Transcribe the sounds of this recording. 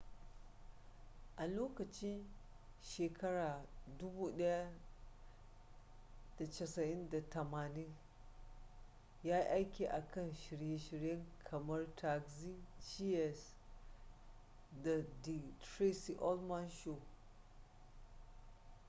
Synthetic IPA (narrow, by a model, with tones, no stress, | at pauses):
ʔa˨loː˦kɐ˨t͡ʃɪ˦n | ʃeː˨kʰɐ˦ɽaː˨dʊ˦buː˦ɗɐ˦ja˦ | d̥a˨t͡ʃɐ˨sɐ˨ʔɪ˦nda˨tɐ˨maː˨nɪ˦n | jaː˦ʔa˦jkʲiː˨ʔa˨kɐ˦˨nʃɪ˨ɽje˦ʃɪ˦ɾjɐ˦ŋkʰɐ˨mɐ˦rtʰa˨kzi˦d͡ʒi˦ɛ˨s | da˨di˨tɾe˦si˨ʔɔ˦lmɐ˦nʃo˨